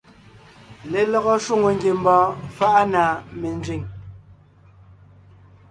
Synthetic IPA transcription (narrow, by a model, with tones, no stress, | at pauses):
le˨lɔ˦ɣɔ˦ʃwu˦˨ŋo˨ŋ˦ɡje˨m˦bɔ̃ː˨˦fa˦ʔa˦naː˨me˨nd͡zɥi˦˨ŋ